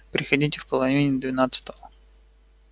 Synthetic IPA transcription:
pɾʲɪxɐdʲitʲɪfpəlˠɐvʲinʲɪd̪vʲɪnat̪sɨ̥t̪əvə

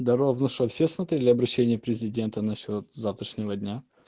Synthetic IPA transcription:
d̪ɐɾovnʊʂəfsʲesmɐt̪ɾʲelʲɪɐbɾɐɕːenʲɪjəpɾʲɪzʲɪdʲe̞nt̪ənɐɕːo̞t̪zaft̪ɾəʂnʲɪvədʲnʲa

